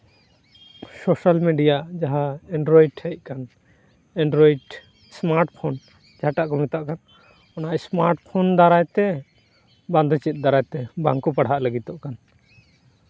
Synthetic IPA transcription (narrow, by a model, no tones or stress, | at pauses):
soʃalmiɖijad͡ʒaɦaɛɳɖɾɔiɖhɛc̚kan | ãɳɖɾɔiɖ | smaɾʈpʰɔn | d͡ʒaaʈaʔkɔmit̪aʔkan | ɔnaʔsmaɾʈpʰɔnd̪aɾajt̪ɛ | band̪ɔt͡ʃit̪̚ˀd̪aɾajt̪ɛba̰ŋkupaɽ̤ɦaʔləɡit̪ɔʔkan